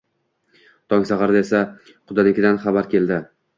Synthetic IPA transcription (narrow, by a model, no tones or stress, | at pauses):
t̪ʰɒŋsɑʁɑɾd̪aesa | qʰʊd̪anɪkʲɪd̪anχɑbaɾkʲʰe̞ld̪ɪ